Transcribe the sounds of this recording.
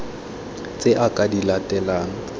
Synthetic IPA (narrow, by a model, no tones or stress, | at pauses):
t͡sʼeʔakʼadilatʼɛlaːŋ̩